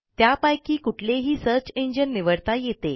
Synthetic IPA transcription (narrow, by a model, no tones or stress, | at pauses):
t̪japajkiːkuʈʰleɦiːsəɾt͡ɕeɲd͡ʑənːiʋəɽt̪ajet̪e